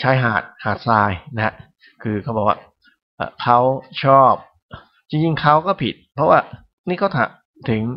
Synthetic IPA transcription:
t͡ɕʰa˦˥jɦaː˨˩t̪̚haː˨˩t̪̚saː˧jna˦a˦˥ | kʰɯː˧kɔː˥˩bɔː˨˩k̚wa̰ː˥˩ | ʔə̰ː˨˩kʰa˦˥˩wt͡ɕʰɔː˥˩p̚ | t͡ɕi˧ŋt͡ɕi˧ŋkʰa˦˥wkɔː˥˩pʰi˨˩t̪̚pʰɾɔ˦˥waː˥˩ | niː˥˩kʰa˥˩t̪ʰa̰˧˩ | t̪ʰɯ˨˩˦ŋ

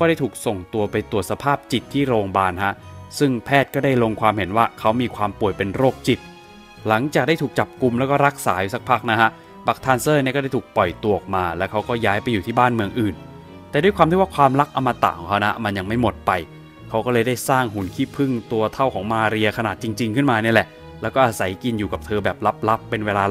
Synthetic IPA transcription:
kɔː˥˩ɾa˥˩jt̪ʰuː˨˩k̚so˨˩ŋt̪u˧ɐpa˧jt̪u˨˩ət̪̚sa˧pʰaː˥˩p̚t͡ɕi˨˩t̪ʰːiː˥˩ɾoː˧ŋbaː˧nha˦˥ʔsɯ˥˩ŋpʰɛː˥˩t̪̚kɔː˥˩da˥˩jlo˧ŋkʰwaː˧mɦe˩˦nwaː˥˩kʰa˦˥wmiː˧kʰwaː˧mpu˨˩əjpe˧nɾoː˥˩k̚t͡ɕi˨˩t̪̚ | la˩˦ŋt͡ɕaː˨k̚da˥˩t̪ʰuː˨˩k̚t͡ɕa˨˩p̚ku˧mlɛː˦˥kɔː˥˩ɾa˦˥k̚sa̰ː˩˦ju˧˦˩sa˦˩k̚pʰa˦˥k̚na˦˥hʰa˦˥ʔ | ba˦˥˩k̚t̪ʰaː˧nsɤː˥˩n˥˩kɔː˥˩ɾa˥˩t̪ʰuː˨˩k̚pɔ˨˩jt̪u˨˩ək̚maː˧lɛː˦˥wkʰa˦˥wkɔː˥˩jaː˦˥jpa˧jːuː˨˩iː˥˩baː˥˩nmɯ˧əŋʔɯː˨˩n | t̪ɛː˨˩du˥˩kʰwaː˧mt̪i˥˩waː˥˩kʰwaː˧mla˦˥k̚ʔa˧wma˧t̪a̰ː˨˩kʰɔː˨˦kʰa˦˥wna˦˥ʔma˧nja˧ŋma˥˩jmo˨˩t̪̚pa˧j | kʰa˦˥wkɔː˥˩lɤː˧jdaː˥˩jsaː˥˩ŋhu˨˩˦nkʰiː˥˩pʰɯ˥˩ŋt̪u˧ɐt̪ʰa˥˩wkʰɔː˩˦ŋmaː˧ɾi˧ɐkʰa˧naː˨˩t̪̚t͡ɕi˧ŋt͡ɕi˧ŋkʰɯ˥˩nmaː˧ni˥˩ɐlɛ˨˩ʔ | lɛː˦˥wkɔː˥˩ʔaː˧sa˩˦jki˧njuː˨˩ka˨˩p̚t̪ʰɤː˧bɛː˨˩p̚la˦˥p̚la˦˥pːe˧nweː˧laː˧

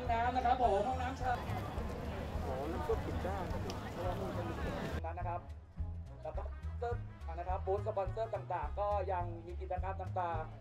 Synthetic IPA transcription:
ŋnaː˦˥mna˧kʰa˦˥p̚ʰːo˨˩˦ɦɔ˥˩ŋnaː˦˥mt͡ɕʰa˥˩ | o˨˩˦kʰɯ˥˩tkʰi˨˩kaː˥˩ŋː˧˥˩kʰɯ˧˩˧a˧waː˦˥nuː˧˩t͡ɕa˧˩ni˧˩ko˧˩˧ka˧˥na˦˧˥kʰa˦˥p̚ | lɛː˦˥kɔ˧sɤː˥˩p̚a˧˩nːa˦˥kʰa˦˥p̚ːoː˦˥t̪̚sa˧pa˧nsɤː˥˩t̪aː˨˩ŋt̪aː˨˩ŋkɔː˥˩ja˧ŋmiː˧k̬i˨˩t̪̚t͡ɕaː˧kaː˧nt̪aː˨˩ŋt̪aː˨˩ŋ

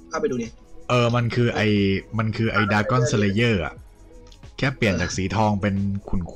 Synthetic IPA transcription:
kʰa˥˩pa˧jduː˧ni˦˩ʔɤː˨˩ma˧nkʰɯː˧ʔa˧jma˧nkʰɯː˧ʔa˧jdaː˧kɔ˥˩nsa˧leː˧jɤː˥˩ʔa̰˨˩ʔ | kʰɛː˥˩pli˨˩ənt͡ɕaː˨˩k̚siː˩˦t̪ʰɔː˧ŋpe˧nkʰu˨˩nkʰ

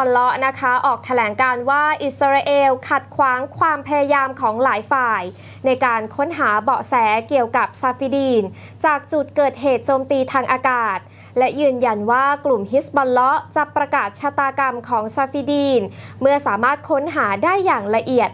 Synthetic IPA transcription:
ɔ˧nlɔ˦˥ʔna˦˥kʰa˦˥ʔɔː˨˩k̚t̪ʰa˧lɛː˩˦ŋkaː˧nwaː˥˩ʔi˨˩sa˧ɾa˧ʔeː˧wkʰa˨˩t̪̚kʰwaː˩˦ŋkʰwaː˧mpʰa˧ja˧jaː˧mkʰɔː˩˦ŋlaː˨˩˦jfaː˨˩j | na˧jkaː˧nkʰo˦˥nɦaː˩˦bɔː˨˩ʔsɛː˩˦ki˨˩əwka˨˩p̚sa˧fi˧diː˧n | t͡ɕaː˨˩k̚t͡ɕu˨˩t̪̚kɤː˨˩t̪̚ɦeː˨˩t̪̚t͡ɕoː˧mt̪iː˧t̪ʰaː˧ŋʔaː˧kaː˨˩t̪̚ | lɛ˦˥jɯː˧nja˧nwaː˥˩klu˨˩mhi˦˥sbɔ˧nlɔ˦˥ʔt͡ɕa˨˩ʔpɾa˧kaː˨˩t̪̚t͡ɕʰa˧˥t̪aː˧ka˧mkʰɔː˩˦ŋsa˧fi˧˥diː˧nmɯ˥˩ɐsaː˩˦maː˥˩t̪̚kʰo˦˥nɦaː˩˦daː˥˩jːaː˨˩ŋla˧ʔi˨˩ət̪̚

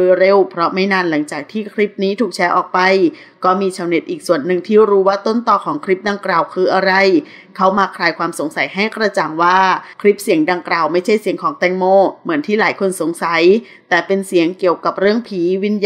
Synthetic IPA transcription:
ɯ˧ɾe˥˩wpʰɾɔ˦˥ma˥˩jnaː˧˩nla˩˦ŋt͡ɕaː˨˩k̚t̪ʰiː˥˩kʰɾi˦˥p̚niː˦˥t̪ʰuː˨˩k̚t͡ɕʰɛː˦˥ʔɔː˨˩k̚pa˧j | kɔː˥˩miː˧t͡ɕʰa˨˦wne˨˩t̪ʔiː˨˩k̚su˨˩ənːɯ˨˩ŋt̪ʰiː˥˩ɾuː˦˥waː˥˩t̪o˥˩nt̪ɔː˨˩kʰɔː˩˦ŋkʰɾi˦˥p̚da˧ŋklaː˨˩wkʰɯː˧ʔa˧ɾa˧˩j | kʰa˦˥˩wmaː˧kʰɾaː˧jkʰwaː˧mso˩˦ŋsa˨˦jɦa˥˩jkɾa˧t͡ɕa˨˩ŋwaː˥˩kʰɾi˦˥p̚si˩˦əŋda˧ŋklaː˨˩wma˥˩jt͡ɕʰa˥˩jsi˨˩˦əŋkʰɔː˩˦ŋt̪ɛː˧˩ŋmoː˥˩mɯ˩˦ənt̪ʰiː˥˩laː˨˩˦jkʰo˧nso˩˦ŋsa˩˦j | t̪ɛː˨˩pe˧nsi˨˩˦əŋki˨˩əwka˨˩p̚ɾɯ˥˩əŋpʰiː˨˦wi˦˧˥nj

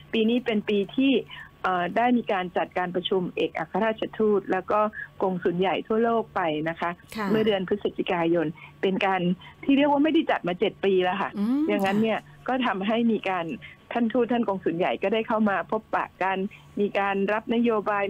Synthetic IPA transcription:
piː˧niː˦˥pe˧npiː˧t̪ʰiː˥˩ʔəː˨˩daː˥˩jmiː˧kaː˧nt͡ɕa˨˩t̪̚kaː˧npɾa˧t͡ɕʰu˧mʔḛː˨˩k̚ʔa̰˨˩kʰːa˧ɾaː˥˩t̪̚t͡ɕʰa˧t̪ʰuː˥˩t̪̚lɛː˦˥wkɔː˥˩ko˧ŋsu˨˩˦nja˨˩jt̪ʰu˥˩ɐloː˥˩k̚pa˧jna˦˥kʰa˦˥ʔmɯ˥˩ɐdɯ˧ənpʰɾɯ˦˥sa˨˧˩t̪ʰi˨˦kaː˧jo˧npe˧nkaː˧nt̪ʰiː˥˩ɾi˥˩kwaː˥˩ma˥˩jda˥˩jt͡ɕa˨t̪̚maː˧t͡ɕe˨˩t̪̚piː˧lɛ˦˧˩kʰa̰˥˩ja˨˩ŋːa˦˥nːi˥˩ɐ | kɔː˥˩t̪ʰa˧mɦa˥˩jmiː˧kaː˧nt̪ʰa˥˩nt̪ʰuː˥˩t̪ːʰa˥˩nko˧ŋsuː˩˦nja̰˨˩jkɔː˥˩daː˥˩jkʰa˥˩wmaː˧pʰo˦˥pːa̰ː˨˩ka˧n | miː˧kaː˧nɾa˦˥p̚na˦˥joː˧baː˧j

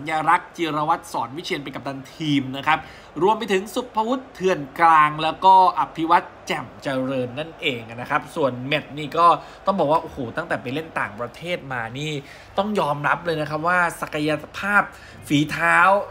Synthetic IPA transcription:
njaː˧ɾa˦˥k̚t͡ɕi˧ɾa˧wa˦˥t̪̚sɔː˩˦nwi˦˥t͡ɕʰi˧ənpa˧jka˨˩p̚d̪a˧nt̪ʰiː˧mna˦˥kʰa˦˥p̚ | ɾu˧əmpa˧jt̪ʰɯ˩˦ŋsu˨˩pʰːa˧wu˦˥t̪ʰːɯ˧˩ənklaː˧ŋlɛː˦˥wkɔː˥˩ʔa˧pʰːi˦˥wa˦˥t̪̚t͡ɕɛ˨˩mt͡ɕa˧ɾɤː˧nːa˥˩nʔeː˧ŋa˩na˦˥kʰɾa˦˥p̚su˨˩ənme˨˩t̪̚niː˥˩kɔː˥˩ | t̪ɔ˥˩ŋbɔː˨˩k̚waː˥˩ʔo˨˩hoː˨˩t̪a˥˩ŋt̪ɛː˨˩pa˧le˥˩nt̪a̰ː˨˩ŋpɾa˧t̪ʰeː˥˩t̪̚maː˧niː˥˩ | t̪ɔ˥˩ŋjɔː˧mɾa˦˥p̚lɤː˧jna˦˥kʰa˦˥p̬̚waː˥˩sa˨˩ka˧ja˧pʰaː˥˩p̚ | fiː˩˦t̪ʰaː˦˥w

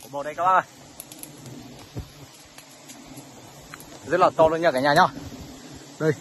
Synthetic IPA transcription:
mo˨˩˨ɗə˧jkaː˦˥wɓaː˧˩ʔə˧˩j | zə˦˥t̚laː˨˩t̪ɔ˧lu˧nɲə˧˥˩kaː˧˩ɲaː˨˩ɲɔ˧˩ | ɗə˨˧˩j

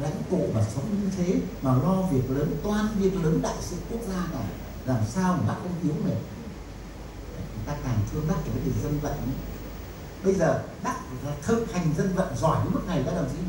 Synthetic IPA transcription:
la̰˧˥jŋ̟t̪ṵ˧˨vaː˨˩sə˨˦wŋ͡mɲɨ˧t̪ʰe˨˦maː˨˩lɔ˧vi˨˩ək̚ləː˨˦nt̪waː˨˩nvi˨˩ək̚ləː˨˦nɗa̰ː˧˨jsɨ̰˧˨ku˦˥ək̚zaː˧naː˨˩ | laː˨˩msaː˧wa˨˩ɓa̰ː˦˥k̚kə˧ŋ͡mʔi˨˦əwme˨˩˧ | a˨˩t͡ɕʊ˨˦ŋ͡mt̪aː˧kaː˨˩ŋt̪ʰɨ˧əŋɓa˦˥t̚ka˧˩ɓəː˨˦jki˨˩zə˧nvə̰˧˨ŋə˨˧˦ | ɓə˧jzəː˨˩ɗaː˦˥k̚aː˧t̪ʰə˧nha˨˩jŋ̟zə˧nvə̰˧˨ŋzɔ˧˩jɲɨ̰˧˦mɨ˦˥k̚na˨˩jɗa̰ː˧˥laː˨˩zḭ˧

